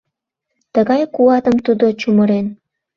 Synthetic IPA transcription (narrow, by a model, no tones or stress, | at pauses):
t̪əɣɑjkuɑt̪əmt̪ud̪ot͡ɕuməɾen